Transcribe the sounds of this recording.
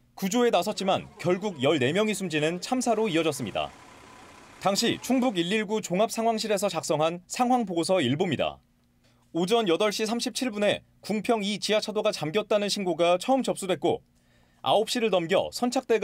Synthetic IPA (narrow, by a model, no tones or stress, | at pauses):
kud͡ʑoe̞nasʰʌt̚t͡ɕ͈imankjʌɭɡuɡjʌɭne̞mjʌŋisʰumd͡ʑinɯnt͡ɕʰamsʰaɾoiʌd͡ʑʌs͈ɯmɲida̰ | taŋɕʰit͡ɕʰuŋbuɡiʎːiɭɡut͡ɕoŋap̚sʰaŋɦwaŋɕ̬ʰiɾe̞sʰʌt͡ɕak̚s͈ʌŋɦansʰaŋɦwaŋpoɡosʰʌiɭbomɲida̰ | od͡ʑʌnjʌdʌɭɕ͈is̬ʰamɕʰip̚t͡ɕʰiɭbune̞ | kuŋpʰjʌŋit͡ɕiat͡ɕʰadoɡat͡ɕamɡjʌt̚t͈anɯnɕʰinɡoɡat͡ɕʰʌɯmt͡ɕʌp̚s͈udwe̞t̚k͈o̰ | a̰op̚ɕ͈iɾɯɭnʌmɡjʌ̰sʰʌnt͡ɕʰak̚t͈e̞ɡ